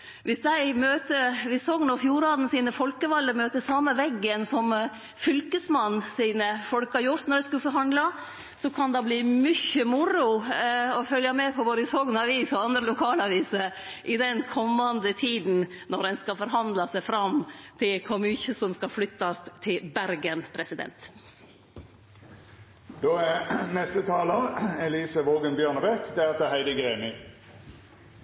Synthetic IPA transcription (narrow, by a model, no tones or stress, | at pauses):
ʋɪsd̪æɪmøːt̪əɾʋɪsɔŋnɔfjuːɾɑːd̪n̩siːnəfɔlkəʋɑlːəmøːt̪əsɑməʋɛɡːənsɔm | fʏlkəsmɑnːsiːnəfɔlkhɑɾjʊɾt̪nɔɾd̪ɛskʉfɔɾɦɑnd̪lɑ | sɔkʰɑnd̪ɑblimʏçəmʊɾʊɔfœljɑmɛpʰɔʋoːɾəsɔɡnɑʋiːsɔɑnd̪ɾəlʊkʰɑːlɑʋiːsəʔɪd̪ɛnkʰɔmːɑnd̪ət̪ʰiːd̪n̩nɔɾd̪ɛnskɑfɔɾɦɑnd̪lɑsæɪfɾɑmt̪ʰɪlkʰɔmʏçəsɔmskɑflʏt̪ːɑst̪ʰːɪlbæɾɡənpʰɾɛsɪd̪ɛ̰nt̪ | d̪oːænɛst̪ət̪ʰɑːləʁɛliːsəʋoːɡənbjøːɳəbɛkd̪ɛæt̪ʰəhæɪd̪əɡeːmɪ